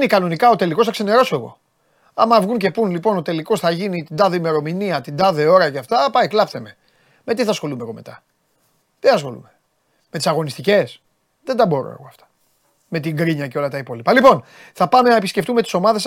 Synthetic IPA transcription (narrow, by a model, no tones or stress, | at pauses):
nikɐno̞nikɐo̞t̪e̞likosθɐkse̞ne̞ɾo̞soeɣo̞̰ | ɐmɐvɣunce̞punlipo̞no̞t̪e̞liko̞sθɐʝinit̪ind̪ɐðeime̞ɾo̞miniɐt̪ind̪ɐðe̞o̞ɾɐceɐft̪ɐpɐiklɐpθeme̞ | me̞t̪iθɐsxo̞lumeɣo̞̰me̞̰t̪ɐ | t̪iɐsxo̞̰lṵme | met̪i̥sɐɣo̞nist̪ice̞s | ðend̪ɐbo̞ɾo̰ḛɣo̞̰ɐft̪ɐ̥ | me̞t̪iŋɡɾiɲɐceo̞lɐt̪ɐipo̞lipɐlipo̞n | θɐpɐme̞nɐepisce̞ft̪ume̞t̪i̥so̞mɐðe̞s